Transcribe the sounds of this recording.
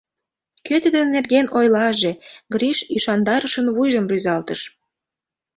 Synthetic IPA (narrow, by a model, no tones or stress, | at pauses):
køt̪əd̪enːerɣenojlɑʒeɡɾiʃyʃɑnd̪ɑɾəʃənβujʒəmryzɑlt̪əʃ